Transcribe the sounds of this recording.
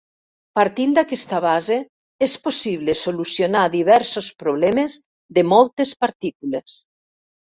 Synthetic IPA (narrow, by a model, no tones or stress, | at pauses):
paɾt̪ind̪akɛst̪aβaze | esposiβlesolusjonaðiβ̞ɛɾsospɾoβlɛmez | ðemɔlˠt̪espaɾt̪ikules